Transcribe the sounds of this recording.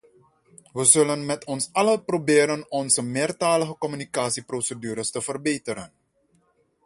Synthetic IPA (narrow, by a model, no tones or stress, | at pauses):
ʋəzɵlənmɛtʰɔnsɑləprobɪːɾənɔnzəmɪːrtaːləxəkɔmynikaːsiprosədyːɾəstəvərbeːtəɾən